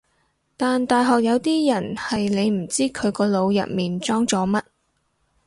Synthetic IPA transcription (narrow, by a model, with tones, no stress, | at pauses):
t̪aː˨nt̪aː˨jɦɔː˨k̚jɐ˨˧wt̪iː˥jɐ˨˩nhɐ˨jne˨˧jm̩˨˩t͡siː˥kʰɵ˨˧ɥkɔː˧lo˨˧wjɐ̰˨t̚miː˨nt͡sɔː˥ŋt͡sɔː˨˥mɐ˥t̚